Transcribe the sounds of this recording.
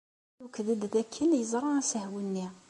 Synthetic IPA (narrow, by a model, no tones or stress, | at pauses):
wkðəd̪ðækʰːənjəzˤɾˤɑæsəhwənːi